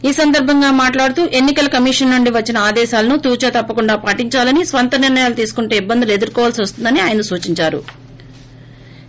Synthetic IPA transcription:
iːsɐnd̪ɐɾbʱɐŋɡaːmaːʈlaːɽut̪uːʔe̞nːikɐlɐkɐmiʂɐnːuɳɖiʋɐt͡ʃːinɐaːd̪ɛːʃaːlɐnut̪uːt͡ʃɐt̪ɐpːɐkuɳɖaːpaʈiɲt͡ʃaːlɐnisʋɐnt̪ɐniɾnɐjaːlut̪iːsu̥kuɳʈe̞ːibːɐnd̪ulue̞d̪uɾkɔːʋaːlsiʋɐst̪und̪ɐniaːjɐnɐsuːt͡ʃiɲt͡ʃaːɾṵ

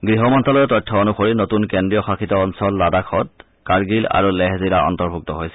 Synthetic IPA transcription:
ɡɹiɦɔmɔntalɔtɔjtʰːɔonuxoɹinotunkendɹijɔxakʰitɔɔnsɔlːadakʰɔt̚ | kaɹɡila̰ɹulɛɦzilaʔɔ̰ntɔɹbʱuk̚tɔɦojsɛ

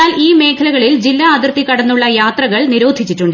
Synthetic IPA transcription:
aːliːme̞ːkʰɐlɐɣɐɭild͡ʑilːɐːd̪irt̪ikːɐɽɐnːuɭːɐjaːt̪rɐɣɐɭniɾoːd̪ʱit͡ɕːiʈːuɳɖɨ

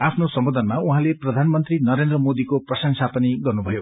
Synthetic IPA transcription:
apʰnosʌmbod̪ʱʌnmauɦãleprʌd̪ʱanmʌnt̪rinʌɾend̪rʌmod̪ikoprʌsʌŋsapʌniɡʌrnubʱʌjo

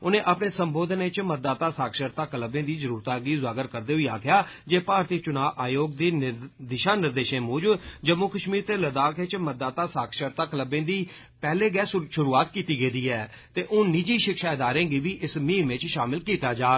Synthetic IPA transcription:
ʊnẽːʔapɳeːsəmboːd̪neɪt͡ʃmət̪̚d̪aːt̪aːsaːkʰʃəɾt̪aːkələbẽːd̪iːzəɾuːɾt̪ãːɡiːzaːɡəɾkəɾd̪eːɦʊiːaːkʰjaːd͡ʒeːpaːɾt̪iːt͡ʃʊnaːʋʔaːjoːɡd̪iːd̪ɪʃaːnɪɾd̪eːʃẽːmuːd͡ʒbd͡ʒəmːokəʃmiːɾt̪eːləd̪aːkʰet͡ʃmət̪̚d̪aːt̪aːsaːkʰʃəɾt̪aːkələbẽːd̪iː | pɛːleːɡɛːsʃʊɾuːaːt̪kiːt̪iːɡeːd̪iːɦɛː | t̪eːʔoːnɪd͡ʒiːʃɪkʃaːɪd̪aːɾẽːɡiːʋiːʔɪsmĩːmɪt͡ʃʃaːmɪlkiːt̪aːd͡ʒaː

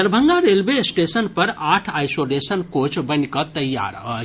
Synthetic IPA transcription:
əɾbʱəŋɡaɾelbesʈesənpəɾaʈʰajsolesənkot͡ʃbənkət̪əja̰ɾɦə̰

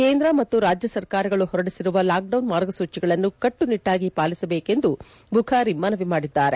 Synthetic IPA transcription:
keːnd̪ɾɐmɐt̪ːuɾaːd͡ʒjɐsɐɾkaːɾɐɡɐɭuhɔɾɐɽisiɾuʋɐlaːk̚ɖɐwnmaːɾɡɐsuːt͡ʃiɡɐɭɐnːukɐʈːuniʈːaːɡipaːlisɐbeːke̞nd̪u | bʱukʰaɾimːaːnɐʋimaːɽid̪ːaːɾe̞

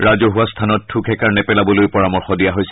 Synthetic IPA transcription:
ɹazoɦuast̪ʰanɔt̚tʰukʰɛkaɹnɛpɛlabɔlojpɔɹamɔɹxɔdijaɦojsɛ

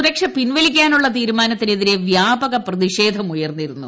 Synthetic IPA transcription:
ɾɐkʂɐpinʋɐlikʲːaːnuɭːɐt̪iːɾumaːnɐt̪ːine̞ðiɾe̞ʋjaːbɐɣɐprɐðiɕe̞ːd̪ʱɐmujɐrnːiɾunːṵ

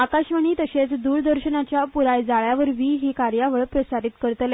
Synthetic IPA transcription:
akaɕʋəɳ̃iːt̪əɕet͡sd̪uːɾd̪əɾɕənat͡ɕjapuɾajd͡zaɭjaʋəɾʋiːɦiːkaɾjaʋəɭpɾəsaɾiːt̪kəɾt̪le

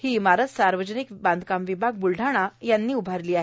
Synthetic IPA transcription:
hiːmaɾət͡s̪saɾʋəd͡ʑənikbãnd̪ʱkamʋibʱaɡ̚bulɖʱaɽ̃ajanːiːubʱaɾliːaɦe

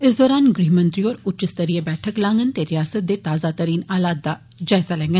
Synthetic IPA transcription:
ɪsd̪ɔːɾaːnɡɾiːmə̃nt̪ɾioːɾʊt͡ʃɪst̪əɾiːebɛːʈʰəklãːŋɡənt̪eɾɪjaːsət̪̚d̪eːt̪aːzaːt̪əɾiːnaːlaːd̪̚d̪a | d͡ʒaːɪzaːlɛ̃ːŋɡən

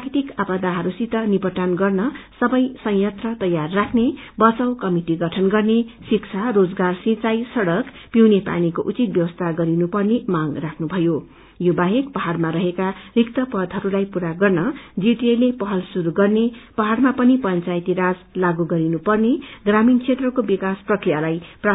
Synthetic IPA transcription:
rakʰit̪ikapʌd̪aɦʌɾusit̪ʌnibʌʈanɡʌrnʌsʌbʌjsʌ̃jjʌt̪rʌt̪ʌjarːakʰnebʌt͡sʌwkʌmiʈiɡʌʈʰʌnɡʌrnesikt͡sʰarod͡zɡarsĩt͡sajsʌɽʌkpiwnepa̰nikoʔut͡sit̪̚bjʌwʌst̪ʰaɡʌɾinupʌrnemaɡrakʰnubʱʌjo | jobaɦekpʌɦarmaɾʌɦekarikt̪ʌpʌd̪ʱɦʌɾulajpuɾaɡʌrnʌd͡ziʈielepʌɦʌlsuɾuɡʌrnepʌɦarmapʌnipʌnt͡sajt̪iɾad͡zlaɡuɡʌɾinupʌrneɡramint͡sʰet̪rʌkobikasprʌkrijalajpra

